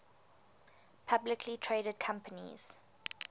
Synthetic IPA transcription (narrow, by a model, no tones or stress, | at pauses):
pʰablɪkʰlitʰɹeːɾəd̚kʰãmpənḭz̥